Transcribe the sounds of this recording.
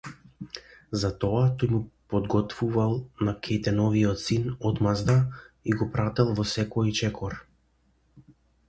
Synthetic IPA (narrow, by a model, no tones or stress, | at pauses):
zat̪ɔat̪ɔjmupɔd̪ɡɔt̪vuvalˠnakʰɛt̪ɛnɔviɔt̪sinɔd̪mazd̪aiɡɔpɾat̪ɛlˠvɔsɛkɔit͡ʃɛkʰɔɾ